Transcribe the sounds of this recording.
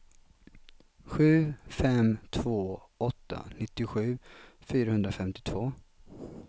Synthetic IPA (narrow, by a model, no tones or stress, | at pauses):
ɧʉ̟ːfɛmt̪ʰv̥oːʔɔt̪ːa̰nɪt̪ːɪɧʉ̟ːfyːɾahɵnd̪ɾafɛmt̪ɪ̥t̪ʰvoː